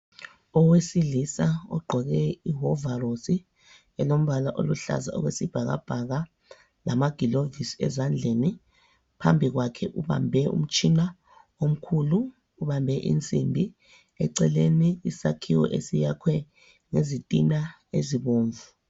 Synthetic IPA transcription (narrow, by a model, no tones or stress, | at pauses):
ɔwesiɮisaɔ̰ɡ͡ǃʱɔɣɛiɦɔvarosi | ɛlom̩βalaʔo̰luɬa̰za̰ɔ̰ɣwesib̥ʱaɣa̰b̥ʱaɣa | lamaɡ̥ʱilovisɛ̰zand͡ɮʱeni | pʰambʱiɣwakʰɛʔuβa̰mbʱɛṵm̩t͡ʃʰʼina | om̩kʰuluː | βambʱɛʔḭnt͡sʼimbʱi | ɛ̰ǀɛleniisakʰiwɔ̰ʔesijakʰwɛ | ŋezitʼina | ḛziβoːɱvu